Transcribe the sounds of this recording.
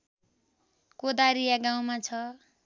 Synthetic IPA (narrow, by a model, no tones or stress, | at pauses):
kod̪aɾijaɡaw̃mat͡sʰʌ